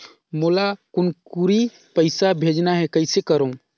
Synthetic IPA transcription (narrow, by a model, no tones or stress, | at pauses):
moːlakʊnkuɾi | pəɪsabʱed͡ʒnaɦɛkəɪsekəɾoũ